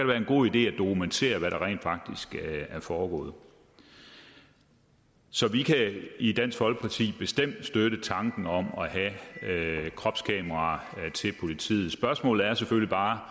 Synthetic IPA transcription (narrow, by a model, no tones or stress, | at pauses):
kæɾeʋæːɐe̝nɡ̥o̝̰ð̰ˠid̥e̝̰ːæd̥o̝kʰument͡sʰe̝̰ːɐʋæɾɑ̈ʁɛ̰ːnd̥fɑ̈ɡ̥̚d̥isɡ̥æɐfɒːɡ̥ɔ̰̽ːð̞̩ˠ | sɒ̽ʋikʰæid̥æn̰sɡ̥hɒ̽lɡ̥ə̥pʰɑ̈t͡sʰḭːb̥e̝sd̥em̰d̥sd̥øɾ̥ət͡sʰɑ̈ŋɡ̥n̩ɒ̽mɒ̽ɦæ | kʰʁɒ̽b̥skʰɛːmɐʁɑ̈t͡sʰe̝lpʰo̝lit͡sʰḭːð̩ˠsb̥ɶɐsmɔ̰ːlð̩ˠæɐsefølib̥ɑ̈ː